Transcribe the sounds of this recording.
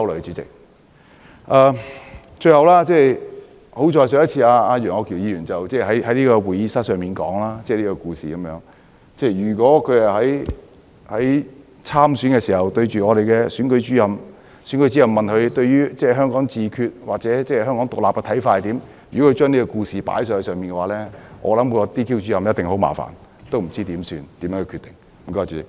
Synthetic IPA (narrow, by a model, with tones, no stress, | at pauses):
ɐ˥wlɔː˨˩˧t͡ʃy˨˥t͡sɪ̰˨k̚ | ʔaː˨˧t͡ʃɵ˧ɥhɐ˨wlaː˥t͡sɛː˥˩ | ho˨˥wt͡ʃɔː˨˧jsœː˧˥jɐ˥t͡sʰiː˧aː˧aː˧jœː˨˩ŋɔː˨˧kʰi˨˩wjiː˨˧jyː˨˩nt͡sɐ˨wt͡sɛː˥˩ɦɐ˨˥jhɐ˨˥jliː˥kɔː˧wuː˨˩jiː˨˧˥sɐ˥t̚sœː˨˩ŋmiː˨˩nkɔ̰ː˨˥ŋlaː˥t͡sɛː˥˧˩liː˥kɔ˧kuː˧sḭː˨kɐ˨˦mjœː˨˥ŋ | t͡sɛː˥˩jyː˨˩kʷɔː˨˥kʰɵ˨˧hɐ˨ɦɐ˨˥j | hɐ˨˥j | t͡sʰaː˥msyː˨˥nkɛː˧siː˨˩ɐ˨wt̪ɵ˧ɥt͡ʃyː˨ŋɔː˨˧ɾe˨jkɛː˧syː˨˥nkɵ˨˧˥jt͡ʃyː˨˥jɐ˧m | sy˨˥nkɵ˧˥jt͡ʃyː˨˥jɐ˨˧mːɐ˨nkɵ˨˧t̪ɵ˧ɥjyː˥t͡sɛː˥ɦœː˥ŋkɔː˨˥ŋt͡siː˨˧kʰyː˧t̚waː˨k̚t͡sɛː˨˧˥t͡sɛː˥ɦœː˥ŋkɔː˨˥ŋt̪ʊ˨k̚laː˨pkɛ˧t̪ʰɐ˨˥jfaː˧hjt̪iː˨˥m | jyː˨˩ɔ˨˥kʰɵ˧t͡ʃœː˥ŋniː˥kɔ˧kuː˧siː˨pa̰ː˨˥jsœː˧hɐ˨˩sœː˨ŋmiː˨nkɛ˧waː˨˥lɛː˥ŋʔɔ̰ː˨˧lɐ˨˥mkɔː˧t̪iː˥kʰiː˥wt͡ʃyː˨˥ɐ˨˧mjɐ˥t̚t̪ɪ˨ŋɦo˨˧˥wma̰ː˨˩fa̰ː˨˩nt̪o˥wm̩˨˩t͡siː˥t̪iː˨˥msy̰ː˧nt̪iː˨˥mjɛː˧˥kʰːkʰy˧t̪ɪ˨˩ŋ̩˨˩ | kɔ˧˥˨t͡sy˨